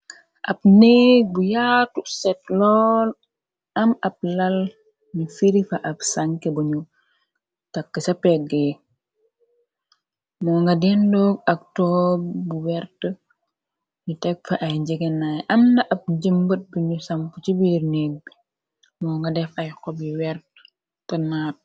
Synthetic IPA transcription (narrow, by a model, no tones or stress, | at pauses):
ʔɐp̚neːɡ̚bujaːtusɛt̚lɔːn | ɐmɐp̚lɐl | ɲufiɾifɐʔɐpsɐŋkɛbuɲu | tɐkːəsɐpɛɡe | mɔːŋɡɐdɛndoːɡ̚ɐk̚tɔːbbuwɛɾtə | ɲutɛk̚fɐʔɐjɟɛɡɛnajʔɐmnɐʔɐp̚ɟəmbət̚buɲusɐmput͡ʃibirneːɡ̚bi | mɔːŋɡɐdɛfɐjkɔbiwɛrtə̥ | tɐnaːt̚